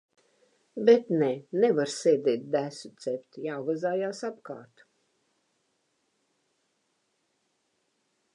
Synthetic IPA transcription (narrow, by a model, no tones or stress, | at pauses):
bɛt̪nɛnevaɾseːd̪ʲɛːt̪̚d̪æsut̪sɛpʲt̪ijaːvazaːjaːsapkɑ̰ːɾt̪u̥